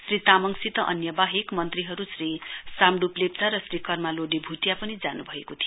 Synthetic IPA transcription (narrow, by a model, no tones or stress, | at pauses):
srit̪amʌŋsit̪ʌʔʌ̰njʌbaɦekmʌnt̪riɦʌɾusrisamɖuplept͡saɾʌsrikʌrmaloɖebʱuʈjapʌnid͡zanubʱʌekot̪ʰijo